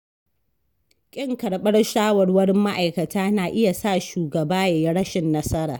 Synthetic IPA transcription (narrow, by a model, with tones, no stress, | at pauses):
kʲʼɪ˦ŋkɐ˨ɽɓɐ˦rʃaː˦wɐ˨rwɐ˦ɽɪ˦mːa˦ʔa˨jkɐ˨tʰaː˦naː˨ʔɪ˦ja˨saː˦˨ʃuː˨ɡɐ˨baː˦ja˨ji˦ɽɐ˦ʃɪ˨nːɐ˦sɐ˦ɾa̰ː˨